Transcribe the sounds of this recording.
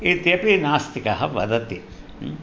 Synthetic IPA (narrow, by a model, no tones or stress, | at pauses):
it̪jepinaːst̪ʰikɐɦɐʋɐ̰d̪ɐt̪i